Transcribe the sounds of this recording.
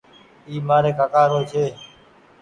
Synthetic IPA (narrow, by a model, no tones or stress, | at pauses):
iːmaːɾeːkaːkaːɾoːt͡ʃʰeː